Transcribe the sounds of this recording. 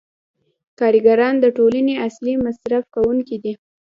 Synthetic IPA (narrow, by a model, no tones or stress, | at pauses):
kɑɾiɡaɾɑnd̪əʈolaneaslimasɾafkawuŋkid̪i